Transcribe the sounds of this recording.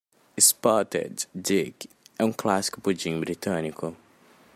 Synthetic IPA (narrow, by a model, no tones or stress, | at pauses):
ispɔt̪ɛ̰d̪d̪ik | ɛũklasi̥kʊpud͡ʒĩbɾit̪ɐ̃nikʊ